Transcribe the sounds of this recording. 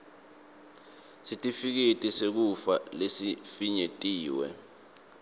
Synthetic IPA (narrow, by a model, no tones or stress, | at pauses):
sitʼifik̬itʼisek̬ufa̰lesifiɲetʼiːwɛ̰